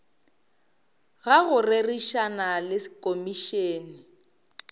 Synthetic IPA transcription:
ɣaɣʊreriʃanalɪskʼomiʃeːni

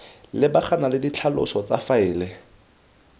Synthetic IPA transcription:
lɪbaχʰanalɪdit͡ɬʰalʊ̰sɔt͡safaɪːlɪ

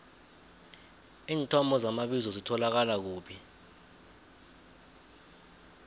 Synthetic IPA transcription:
iːntʰʼɔmɔzamaɓizɔzitʰɔlak̬alak̬uːɓi

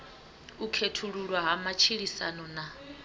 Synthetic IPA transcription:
ukʰetʰuɺuɺwaɦamat͡ʃʰiɺisa̰nɔna

